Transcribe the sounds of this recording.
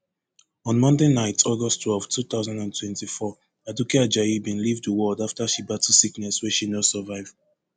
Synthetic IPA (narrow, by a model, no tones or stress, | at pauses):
ɔ̃nmɔ̃ndenaɪtʰɔɡɔstʰwɛlv̥tʰuθaʊzãndãntʰwɛ̃ntifɔ | adukiad͡ʒaibĩnlivdəwɔdaftaʃibatisiknɛswɛʃinɔsəvaɪv